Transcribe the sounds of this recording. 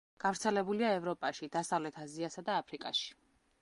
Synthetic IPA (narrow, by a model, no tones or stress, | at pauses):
ɡ̥avɾt̪sʰɛlɛbuliaɛvɾɔpʼaʃid̪asavlɛt̪ʰaziasad̪aːpʰɾikʼa̰ʃi̥